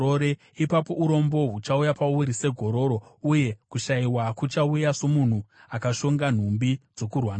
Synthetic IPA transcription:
oɾe | ipapo̞uɾo̞mbo̞ɦut͡ʃaujapauɾise̞ɡʱo̞ɾo̞ɾo̞uje̞kuʃaiwakut͡ʃaujaso̞mun̤uakaʃo̞ŋɡan̤umbid͡zo̞kurwan

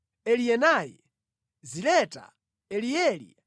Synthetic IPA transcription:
ɛlijɛnajɛ | zilɛtʼa̰ | ɛlijɛːlḭ

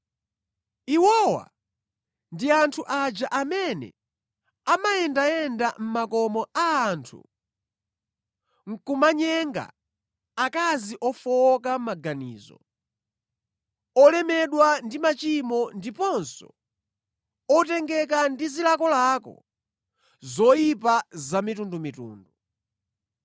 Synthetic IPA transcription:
iwɔwa̰ | ndiantʰuʔad͡ʒaʔamɛnɛ̰ | amajɛndajɛndam̩makɔmɔaːntʰṵ | ŋ̩kumaɲɛŋɡa̰ː | kaziʔɔfɔkam̩maɡanḭːzɔ̰ | ɔlɛmɛɗwandimat͡ʃimɔndipɔnsɔ̰ | ɔtɛŋɡɛkandizilakɔlakɔ̰ | zɔjipazamitundumitṵːndu

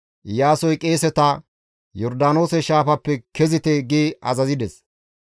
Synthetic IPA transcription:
jaːsɔjkʼeːsɛt̪ɐ | jɔɾd̪aːno̞ːsɛʃaːfɐpːɛkʰɛzɪt̪ɛɡiːɐ̰zɐzɪd̪ɛs

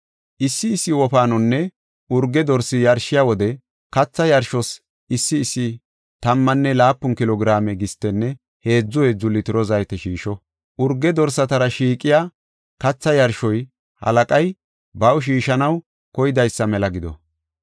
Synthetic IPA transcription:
ʔɪsːɪːsːɪwɔpaːnɔnːɛ | ʊɾɡːɛd̪ɔɾsːɪjɐɾʃɪjawɔd̪ɛ | kɐt͡sːɐjɐɾʃɔs | ɪsːɪːsːɪ | t̪ɐmːɐnːɛlaːpːʊnkɪlɔɡɪɾaːmɛɡɪst̪ːɛnːɛ | he̞ːd͡zːʊɛd͡zʊlːɪt̪ɪɾɔzɐjt̪ɛʃiːʃɔ | ʔʊɾɡːɛd̪ɔɾsɐt̪ɐɾɐʃiːkʼːɪjaː | kɐt͡sːɐjɐɾʃɔj | hɐ̰lɐkʼɐj | bɐwʃ̬iːʃɐnɐw | kɔjɪd̪ɐjsːɐmɛlɐɡɪd̪ɔ̰

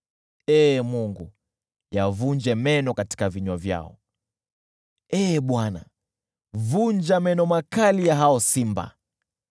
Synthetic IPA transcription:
ɛːmuŋɡu | javuɲd͡ʒɛmɛnɔkati̥kaviɲwavja̰ɔ̰ | ɛːɓwana̰ | vuɲd͡ʒamɛnɔmakalijaɦaɔsimba̰

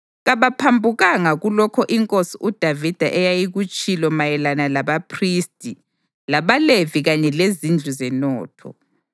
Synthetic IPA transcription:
ɣaβapʰambʱuɣaŋaɣulɔkʰɔʔiŋkʼosiʔud̥ʱavid̥ʱaʔɛjajiɣut͡ʃʼilɔmajɛlanalaβapʰristʼi | laβaleviɣaɲɛlezind͡ɮʱuzɛnɔːtʰɔ̰

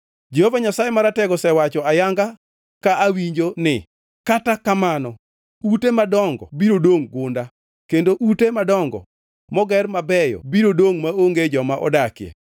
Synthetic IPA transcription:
d͡ʒehovaɲasajemaɾatɛɡɔsɛwat͡ʃɔajaŋɡa | kaʔawiɲd͡ʒonɪ | katakamanɔ | utemadɔŋɡɔ̰biɾodoŋɡʊnda | kendoʔutemadɔŋɡɔ̰ | mɔɡɛrmabɛjɔ̰biɾodoŋmaoŋɡed͡ʒɔmaʔɔ̰dakjḛ

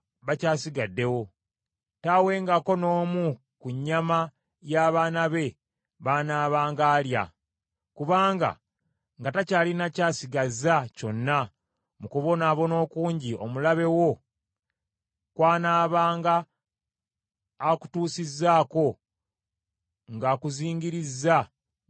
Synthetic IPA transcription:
βacaːsiɡadːe̞wo̞ | tawe̞ːŋɡako̞no̞ːmu | kuɲːama | jaːβaːnaβe̞ | βaːnaːβaːŋɡaːlja̰ | kuβaːŋɡa̰ | ŋɡatacaːlinacaːsiɡazaco̞nːa | mukuβo̞naːβo̞no̞ːkuːɲɟio̞mulaβe̞wo̞ | kwaːnaːβaːŋɡa | ku̥tuːsizːaːko̞ | ŋɡakuziːɲɡiɾizːa

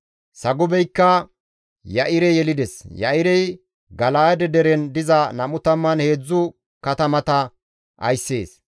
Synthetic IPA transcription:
sɐɡʊbɛjkːɐ | jɐʔɪɾɛjɛlɪd̪ɛsjɐ̰ʔɪɾɛj | ɡɐlaːd̪ɛd̪ɛɾɛnd̪ɪzɐnɐmʊt̪ɐmːɐnhe̞ːd͡zːʊ | kɐt̪ɐmɐt̪ɐ | ʔɐ̰jsːe̞ːs

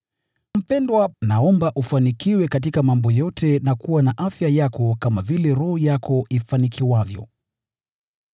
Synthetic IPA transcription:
m̩pɛndwanaɔmbaʔufanikiwɛkat̬ikamambɔjɔtʰɛnakuwanaʔafjajakɔkamavilɛɾɔhɔjakʰɔʔifanikʰiwavjɔ̰

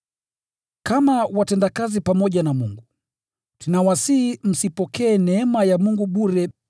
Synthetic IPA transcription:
kamawatɛndakazipamɔʄanamuŋɡu | tinawasihim̩sipɔkɛːnɛɛmajamuŋɡuɓuɾɛ

